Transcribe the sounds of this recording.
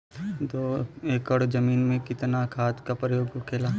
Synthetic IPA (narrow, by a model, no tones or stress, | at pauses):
t̪oːeːkəɽd͡ʒɐmiːnmẽkɪt̪nakʰaːt̪kapɾəjoːɡkʰeːlaː